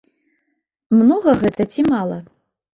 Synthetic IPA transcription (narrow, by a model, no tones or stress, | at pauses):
mnɔɣɐɣɛt̪ɐt͡sʲimalˠɐ